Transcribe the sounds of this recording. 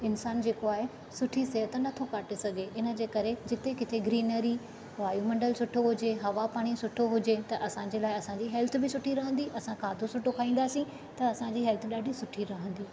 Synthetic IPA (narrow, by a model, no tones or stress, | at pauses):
ɪnsaːnd͡ʑeːkoaːɦe | sʊʈʰiseɦət̪nɐt̪ʰokaːʈesɐɡʱeʔɪnə̆d͡ʑeːkɐɾed͡ʑɪt̪ekɪt̪ʰeɡɾiːnəɾi | ʋaːjumɐ̃ɳɖəlsʊʈʰoɦʊd͡ʑeɦɐʋapaːɽ̃isʊʈʰoɦʊd͡ʑet̪ɐʔɐsãd͡ʑeːlaːɪɐsãd͡ʑiːɦɛlt̪ʰʊbɪsʊʈʰiɾɐɦə̃nd̪iʔɐsãkʰaːd̪ʱosʊʈʰokʰaːĩːn̆d̪aːsĩ | t̪ɐɐsãd͡ʑiːɦɛːlt̪ʰɗaːɖʱisʊʈʰiɾɐɦə̃nd̪iː